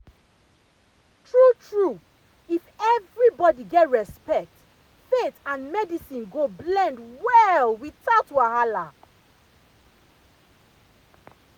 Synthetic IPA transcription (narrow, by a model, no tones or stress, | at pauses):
tɹutɹu | ifɛvɹibɔdiɡɛtɹɛspɛk̚t | fetãnmɛdisĩnɡoblɛ̃ndwɛlwitatwahala